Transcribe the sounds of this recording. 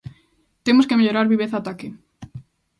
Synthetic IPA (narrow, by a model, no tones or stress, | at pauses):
t̪emoskemeʎoɾaɾβiβ̞eθat̪ake